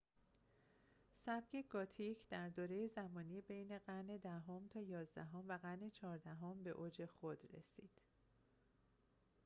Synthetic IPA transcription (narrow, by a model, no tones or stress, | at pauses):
sæb̚ce̞ɡɒːt̪ʰicʰd̪̥æɾd̪oːɾe̞jezæmɒːniːbe̞jne̞ɢæne̞d̪æɦomt̪ʰɒːjɒːzd̪æɦomvæɣæne̞t͡ʃʰɒːɾd̪æɦombe̞ʔoːd͡ʒe̞xod̪ɾḛsiːd̪̥